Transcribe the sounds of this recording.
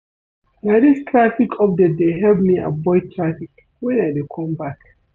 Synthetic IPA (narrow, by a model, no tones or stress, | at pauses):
naɪdistʰɹafikʰɔfdɛdeɦɛlbmiʔa̰bɔɪd̚tʰɹafik | wɛ̃nadekʰɔ̃mbak